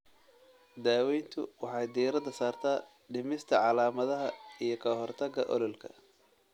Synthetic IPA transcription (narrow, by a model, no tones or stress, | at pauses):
d̪aːwɛjnt̪ʰʊ̰wɑħɑjd̪iːɾɐd̪ɐsaːrt̪ʰaː | ɖɪmɪst̪ʰɐʕɑlaːmɐðɐɦɐijɞkʰɐɦɔrt̪ʰɐɡɐʔɔ̰lɔlkʰɐ